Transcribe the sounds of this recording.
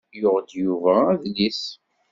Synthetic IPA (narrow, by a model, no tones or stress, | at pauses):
jʊʁd̪juvææðlis